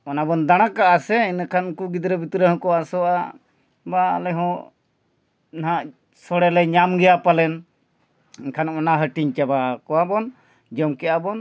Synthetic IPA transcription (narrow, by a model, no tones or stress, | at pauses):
ɔnabɔnd̪aɽ̃akaʔasɛinakʰankuɡid̪ɾɔbit̪ɾɛɦɔ̃kɔwasɔʔa | ba̰ːlɛɦɔ̃ | naɦaʔ | sɔɽɛlɛɲamɡɛjapalɛn | inkʰanʔɔnaɦəʈiɲt͡ʃabakɔwabɔn | d͡ʒɔmkɛabɔn